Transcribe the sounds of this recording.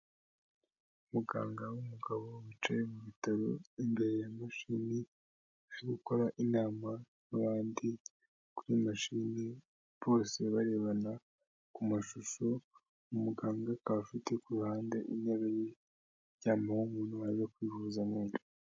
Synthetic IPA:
umuɡa̰ːŋɡawumuɡaβo̞wit͡ʃajemuβitaɾoimbe̞ɾejamaʃini | aɾiɡuko̞ɾaʔinaːmanaβaːndi | kuɾimaʃini | βo̞ːse̞βaɾe̞βana | kumaʃuʃo̞ | umuɡaːŋɡakafite̞kuɾuhaːnde̞ʔineβeje | jɟaːmawumuːnuaiokwiːvuːzamoːni

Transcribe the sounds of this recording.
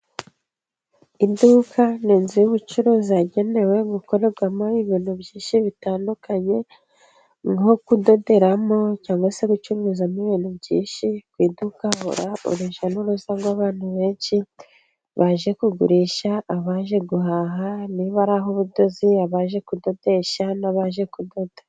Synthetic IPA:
idukʰaniːnzijuβut͡ʃuɾuːziaɟe̞ne̞we̞ɡuko̞ɾe̞ɾɡwamoiβiːn̥hubɟiːnʃiβitaːndukaɲe̞ | ŋhokudo̞de̞ɾamo̞caːŋɡwase̞ɡut͡ʃuɾuːzaniβiːnhubɟiːnʃikwiːdukaho̰ɾaṵɾiʃanuɾuzaɡwaβaːn̥huβe̞ːnʃi | βaʒe̞kuɡṵɾiːʃaːβaːʒe̞ɡuhaɦaniβaɾaɦoβudo̞ziaβaːʒe̞kudo̞de̞ʃanaβaʒe̞kudo̞dḁ

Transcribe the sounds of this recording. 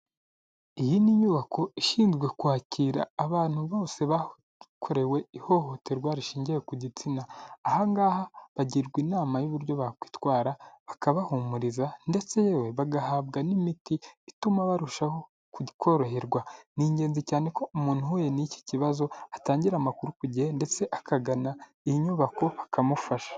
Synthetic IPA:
ijiniɲuβakʰo̞iʃiːnzɡwe̞kuhaːciːɾa̰ːβaːn̥huβo̞ːse̞βa | kʰo̞ɾe̞we̞iho̞ho̞te̞ɾɡwaɾiʃiːɲɟejekuɟit͡sinaːhaŋɡaːhaβaɟiɾɡwiːnaːmajuβuɾɟo̞βakwi̥ːtwaːɾaβakaβahumuɾizande̞t͡se̞jeweβaɡahaːβɡanimitiitumaβaɾuʃaho | kukʰo̞ɾo̞ɦeɾɡwaniːɲɟe̞ːnzicaːne̞ko̞umuːn̥huwojenici̥ciβazo̞ataːɲɟiɾamakuɾukuɟihende̞t͡se̞ʔakaɡana | iiɲuβako̞βakʰamufaʃḁ

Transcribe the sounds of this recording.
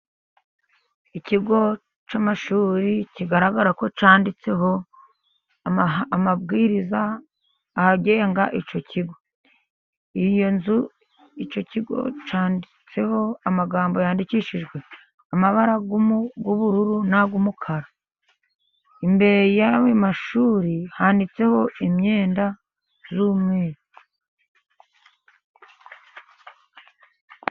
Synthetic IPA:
iciɡo̞ | t͡ʃamaʃuːɾiciɡaɾaɡaɾako̞t͡ʃaːndit͡se̞ɦo̞ | mabɡiːɾizaː | haɟeŋɡaʔit͡ʃo̞cʰiɡo̞ | ijo̞nzu | it͡ʃo̞ciɡo̞̰t͡ʃaːndit͡se̞ho̞amaɡaːmbo̞jaːndiciʃiʒɡwe̞ | amaβaɾaɡumuɡuβuɾuɾunaɡumukʰaɾa | imbe̞ɾejawemaʃuːɾihaːndit͡se̞ho̞ʔimɲe̞ːnda | zuːmŋeːɾi

